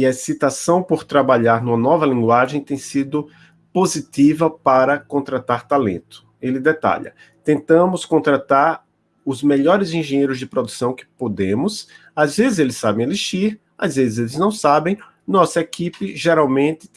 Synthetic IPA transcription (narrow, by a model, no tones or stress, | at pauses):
iɐsit̪asɐ̃w̃poɾt̪ɾabaʎaɾnũɐnɔvɐlĩɡwaʒẽj̃t̪ẽj̃sid̪ʊ | pozit̪ivɐpaɾɐkõnt̪ɾat̪aɾt̪alḛ̃nt̪ʊ̥ | elɪd̪ɛt̪a̰ʎɐ̰ | t̪ẽnt̪ɐ̃mʊskõnt̪ɾat̪aɾ | ʊzmeʎɔɾɪzĩʒẽɲejɾʊzd͡ʒɪpɾod̪usɐ̃w̃kɪ̥pod̪ẽmʊs | azvezɪzelɪsːabẽj̃eliʃtiɾ | a̰zvezɪzelɪznɐ̃w̃sabẽj̃ | nɔsɐekipɪʒeɾawmẽnt̪ɪ̥